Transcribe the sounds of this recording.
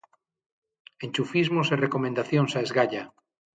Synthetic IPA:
enʲt͡ʃufizmoserekomẽnd̪aθjoŋsaezɣaʎa

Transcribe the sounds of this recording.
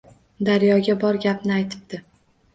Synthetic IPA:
d̪aɾjɒɡʲabɒɾɡʲapnɪajt̪ʰɪ̥b̚d̪̥ɪ

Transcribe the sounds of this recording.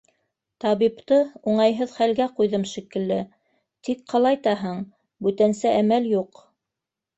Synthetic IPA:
t̪ɑβipt̪ɤuɴɑjɦɤðχælɡæqujðɤmʃikɘ̆lːɘ | t̪ik̚qɑlˠɑjt̪ɑɦɤɴ | bʉt̪ænsɘʔæmæljuq

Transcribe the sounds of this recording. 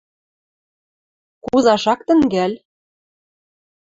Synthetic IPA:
kuzɑʃɑk̚t̪ə̆ŋɡæl

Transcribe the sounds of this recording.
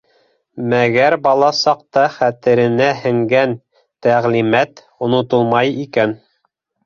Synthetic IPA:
mæɡæɾbɑlˠɑsɑq̚t̪ɑχæt̪ɘ̆ɾɘ̆næhɘ̆ŋɡæn | t̪æʁlimæt̪ | ŏnŏt̪ɤlˠmɑjikæn

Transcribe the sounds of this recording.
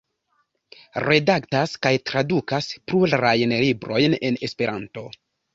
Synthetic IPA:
ɾe̞daktaskajtɾadukaspɾulɾajnlibɾo̞jne̞ne̞spe̞ɾʔanto̞

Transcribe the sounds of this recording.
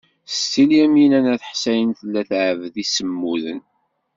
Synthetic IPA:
t̪ːiljæmjənænæθəħsæjənθəlːæθʕəvðisəmːuðən

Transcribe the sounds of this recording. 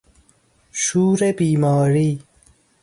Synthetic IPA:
ʃuːɾebiːmɔːɾi

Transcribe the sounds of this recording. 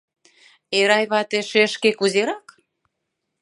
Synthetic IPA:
eɾɑjβɑt̪eʃeʃkekuzeɾɑk

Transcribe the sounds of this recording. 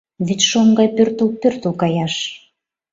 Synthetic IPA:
βit̪ʲʃoŋɡɑjpørt̪upørt̪ukɑjɑʃ

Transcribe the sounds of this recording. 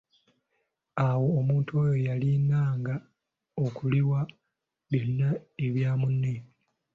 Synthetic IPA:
awo̞ːmuːntuoːjojalinaːŋɡa | okuliwa | βjo̞nːaeβjaːmunːe

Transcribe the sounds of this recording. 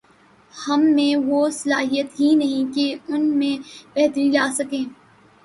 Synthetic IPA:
hɐmːẽʋosɐlaːɦijət̪ɦinɐɦĩkeʊnmẽbɛɦt̪əɾilaːsɐkẽː

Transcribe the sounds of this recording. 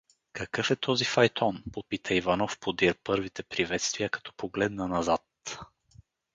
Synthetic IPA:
kɐkɤfɛt̪ʰɔzifɐjt̪ʰɔnpopit̪əivanɔfpod̪iɾpɤɾvit̪ɛpɾivɛt̪st̪viəkɐ̥t̪ɔ̥poɡlɛd̪nənɐzat̪

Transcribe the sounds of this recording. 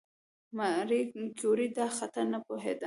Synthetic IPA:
maɾifkjoɾid̪ɑxat̪aɾnapoɦed̪a

